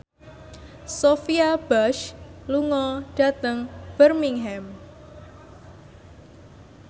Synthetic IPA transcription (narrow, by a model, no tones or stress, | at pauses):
sofiab̥aʃluŋɔɖ̥a̤t̪əŋb̥ərmiŋɦɛm